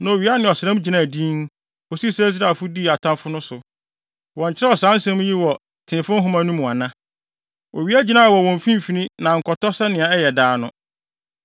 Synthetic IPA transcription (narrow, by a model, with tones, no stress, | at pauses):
nã˨o˨ɥi˦a˦nɪ̃˨ɔ˨sɪ˨ɾɛ̃˦m˦d͡ʑi˨nã˦˨dĩ˦n | o˨si˦sa˦s̬i˦ɾa˨fʊ˦di˦˨a˨tʰã˦mfʊ˦nʊ̃˦sʊ˨ | wɔ̃˨ɲ̩˨t͡ɕʰɪ˦ɾɛ˦ɔ˨sã˨˦n˦sɛ̃˦m˦ji˦wɔ˨ | tʰɪ̃˨fʊ̃˦ɦʊ̃˦mã˦nũ˦m̃˨a˨nã˦ | o˨ɥi˦a˦d͡ʑi˦nã˦˨a˨wɔ˨wɔ̃˨m̩˨fĩ˦m˨fi˦nĩ˦nã˨ŋ̩˨kʰɔ˨tɔ˦sɛ˦nɪ̃˨a˨ɛ˦jɛ˨daː˨˦nʊ̰̃˦